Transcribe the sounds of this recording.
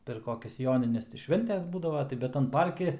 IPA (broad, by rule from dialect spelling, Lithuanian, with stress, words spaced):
pʲɛr ˈkoːkʲɛs ˈjoːnʲɪnʲɛs tɐɪ ˈʃʲʋʲɛnʲtʲɛs ˈbuːdɐʋɐ tɐɪ ˈbʲɛt tɐn ˈpɐrʲkʲɪ